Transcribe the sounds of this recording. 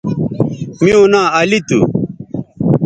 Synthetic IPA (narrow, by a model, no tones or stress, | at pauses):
mĩõnãːɐlit̪u